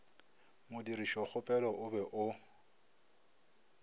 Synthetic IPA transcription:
mʊdiɾiʃɔχʊpʼɛlɔʔʊbɛʔʊ

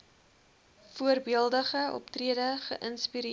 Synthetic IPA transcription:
fuərbiəlˠdəχəɔ̰ptriədəχə̰ʔənspiɾ

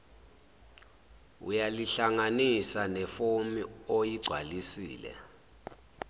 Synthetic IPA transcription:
ṵjaliɬaŋanisanɛfomiojiɡ͡ǀʱwa̰lisḭːlɛ̰

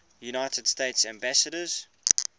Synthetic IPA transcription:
junaɪtʰəd̥steɪtsæ̃mbæsəɾəz̥

